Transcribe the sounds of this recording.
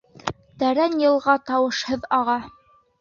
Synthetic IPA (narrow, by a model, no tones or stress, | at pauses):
t̪æɾænjɤ̆lˠʁɑt̪ɑwɤ̆ʃhɤðɑʁɑ